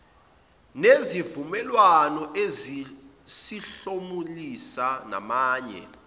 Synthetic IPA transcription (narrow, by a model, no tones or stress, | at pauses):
nezivumɛlwanɔʔezi | siɬomulisana̰maːɲɛ̰